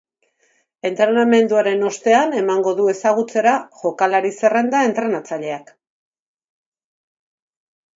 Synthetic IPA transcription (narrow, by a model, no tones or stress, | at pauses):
e̞nt̪ɾe̞name̞nd̪uaɾe̞no̞st̪e̞ane̞maŋɡo̞ðue̞saɣ̞ut͡se̞ɾaʝo̞kalaɾise̞re̞nd̪ae̞nt̪ɾe̞nat͡saʎe̞ak